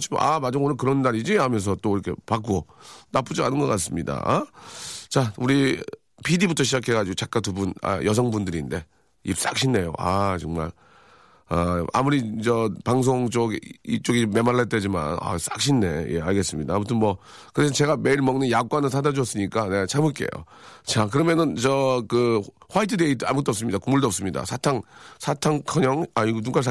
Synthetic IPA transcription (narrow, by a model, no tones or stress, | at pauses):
t͡ɕʰim̰a̰mad͡ʑoŋonɯkɯɾʌnːaɾid͡ʑiamjʌns̬ʰʌt͈oiɾʌkʰe̞̰pak͈onap͈ud͡ʑia̰nɯnɡʌk͈as͈ɯmɲida̰ | t͡ɕauɾi | pidibutʰʌɕʰid͡ʑakʰe̞ɣad͡ʑiɡot͡ɕak͈atʰubuna̰jʔʌsʰʌŋbundɯɾinde̞ | ḭp̚s͈ak̚ɕʰinːe̞jo̰ʔat͡ɕʌŋma̰ɭ | aa̰muɾid͡ʑʌpaŋs̬ʰoŋt͡ɕoɡit͡ɕ͈oɡime̞maɭːaɭt͈ed͡ʑima̰na̰s͈ak̚ɕʰinːe̞je̞̰aɭɡe̞s͈ɯmɲida̰ːmutʰɯnmʌ | kɯɾes̬ʰʌt͡ɕe̞ɡame̞iɭmʌŋnɯnjak͈wanɯnsʰadad͡ʑuʌs͈ɯɲik͈anet͡ɕʰamɯɭk͈e̞̰jo̰ | t͡ɕak̬ɯɾʌmjʌnɯnt͡ɕʌkɯɸwaitʰɯde̞ida̰mukt͈oʌp̚s͈ɯmɲidakumuɭdoʌps͈ɯmɲida̰sʰatʰaŋsʰatʰaŋkʰʌɲʌŋaiɡotuk͈as̬a